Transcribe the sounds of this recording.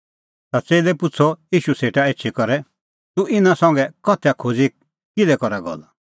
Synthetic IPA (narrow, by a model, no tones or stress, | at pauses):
t̪at͡seːlɛpʊt͡sʰɔjiːʃuseːʈaeːt͡ʃʰikɔɾɛ | t̪uɪnãsɐ̃ŋ̆ɡɛkɔt̪ʰɛjakʰod͡zi | kɪlɛkɔɾaɡɔ̰l